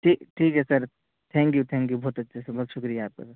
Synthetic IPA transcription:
ʈʰiːkʈʰiːkɦɛsəɾ | t̪ʰɛ̃ːŋkjut̪ʰɛ̃ŋkjubɔɦːt̪ɐt̪ːʃʰasəbɔɦːt̪ʃʊkɾijaːp̚kɐsɾ

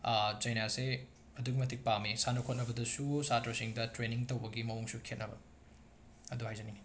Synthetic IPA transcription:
d͡ʒɐjnase | ɐduɡimɐtʰik̚pamisanokʰot̚nɐbɐdɐsusatɐsiŋdɐtɾeniŋtowbɐɡimɐuŋsukʰet̚nɐbɐ̰ | ɐduhajzɐniŋɡi

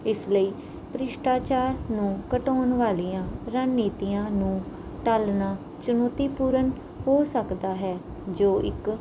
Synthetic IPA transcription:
ɪsləiː | pəɾɪʃʈaːt͡ʃaːɾnũːkəʈoːnʋaːliːãːɾanːiːt̪iːãːnũː | ʈaːlnaː | t͡ʃʊnoːt̪iːpuːɾən | hoːsəkd̪aːɦɛː | d͡ʒoːʔɪ̰k

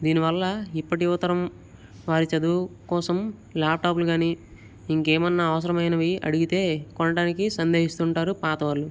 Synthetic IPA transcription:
d̪iːniʋɐlːɐipːɐʈiut̪ːɐɾɐm | ʋaːɾit͡ʃɐd̪ukɔːsɐm | laːp̚ʈaːpuluɡaːni | iŋkeːmɐnːɐːʋɐs̬ɐɾɐmɐjnɐʋiɐ̰ɽiɡit̪e̞ːkɔɳɐɽaːnikisɐnd̪e̞ːɦist̪uːɳʈaːɾupaːt̪ɐʋɐːɾlu

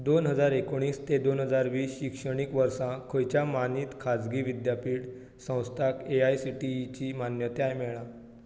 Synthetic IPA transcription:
d̪onɦəd͡zaɾekoɽ̃iːst̪ed̪onɦəd͡zaɾʋiːsɕikʂəɽ̃iːkʋəɾsãkʰojt͡ɕjamaniːt̪kʰad͡zɡiːʋid̪japiːɽ | sə̃w̃st̪ʰakeajsiʈit͡ɕiːmanjət̪eajmɛɭã

